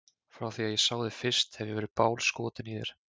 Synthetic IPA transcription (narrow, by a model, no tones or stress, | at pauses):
fɾawθiaðjɛsaːwðɪfɪɾ̥st̪hɛvjɛvɛːɾɪpaːwlskɔːt̪ɪniðɛ̰ɾ̥